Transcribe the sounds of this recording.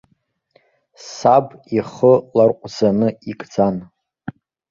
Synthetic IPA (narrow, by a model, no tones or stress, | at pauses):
sabiχəlarqʷʼzanɨikʼd͡zan